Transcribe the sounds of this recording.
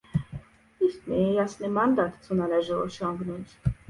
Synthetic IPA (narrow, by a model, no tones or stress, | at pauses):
isk̪nijɑsnimɑnd̪ɑt̪t͡sʰunɑlɛʒɔɔ̰ʃɑŋɡnunt͡s